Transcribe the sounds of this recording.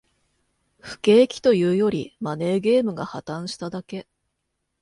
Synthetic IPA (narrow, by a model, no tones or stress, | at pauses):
ɸɯ̟̥ke̞ːkʲi̥t̪o̞jɯ̟ːjo̞ɾʲimane̞ːɡe̞ːmɯ̟ɡahat̪ãɰ̃ɕi̥t̪ad̪ake̞